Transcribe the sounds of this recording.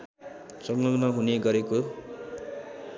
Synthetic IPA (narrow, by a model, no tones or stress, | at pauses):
sʌŋlʌŋnʌɦuneɡʌɾeko